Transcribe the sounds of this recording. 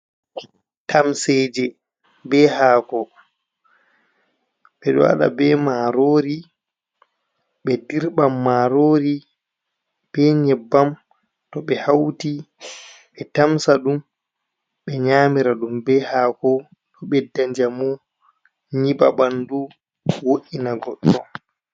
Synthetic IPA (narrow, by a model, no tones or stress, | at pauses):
tʰamseːd͡ʒɛ | bɛhaːkɔ | ɓɛɗɔ̰a̰ɗa̰bɛmaːɾoːɾi | ɓɛdiɾɓamːaɾoːɾi | b̥ɛɲɛbːam | tɔɓɛhawti | ɓɛtamsaɗum | ɓɛɲaːmiɾaɗumbɛhaːkɔ | ɗɔɓɛdaɲd͡ʒamu | ɲiɓa̰ɓandu | woʔinaɡɔɗːɔ